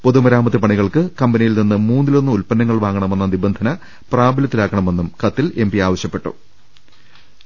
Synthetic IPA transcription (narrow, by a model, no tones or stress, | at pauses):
poðumɐɾaːmɐt̪ːipɐɳiɣɐɭkɨkɐmbɐnijilninːɨmuːnːilo̞nːuulpɐnːɐŋːɐɭʋaːŋɡɐɳɐme̞nːɐnibɐnd̪ʱɐnɐ | praːbɐlɐt̪ːilaːkːɐɳɐme̞nːumkɐt̪ːile̞mbiaːʋɐɕjɐpːe̞ʈːṵ